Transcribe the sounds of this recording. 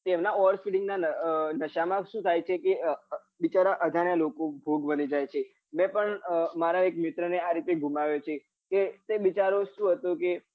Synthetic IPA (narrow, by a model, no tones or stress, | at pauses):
t̪emnaɔɾspiɖɪŋɡnaənəʃamãʃũt̪ʰajt͡ʃʰeke | ʋit͡ʃaɾaʔəd̪ʱaɳjalokobʱoɡbənid͡ʒajt͡ʃʰe | mɛ̃pəɳmaɾaekmɪt̪ɾəneaɾit̪eɡʱumaʋjot͡ʃʰe | ket̪eʋit͡ʃaɾoʃũɦət̪õke